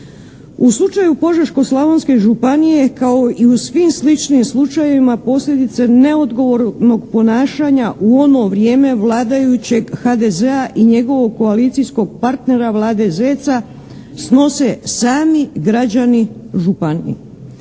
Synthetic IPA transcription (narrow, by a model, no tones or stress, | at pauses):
uslˠut͡ʃajupo̞ʒeɾʃko̞slˠaʋonske̞ʒupanije̞kao̞ʔiusʋimslit͡ʃnimslˠut͡ʃajeʋimapo̞slʎʲe̞d̪it̪se̞ne̞o̞d̪ɡo̞ʋo̞ɾno̞ɡpo̞naːʃaɲaʔuo̞no̞ʋɾje̞ːme̞ʋlˠaːd̪ajut͡ɕe̞ɡxad̪eze̞aʔiɲe̞ɡo̞ʋo̞ɡ̚ko̞alit̪sijsko̞ɡ̚paɾt̪ne̞ɾaʋlˠaːd̪e̞zet̪sa | sno̞se̞saːmiɡɾad͡ʑaniʒupanḭḭ